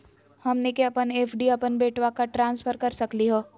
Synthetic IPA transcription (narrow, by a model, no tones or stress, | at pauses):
hɐmnekeɐpəneːfʰɖiɐpənbeːʈwakaʈɾãːnspʰəɾkɐɾsɐkliɦoː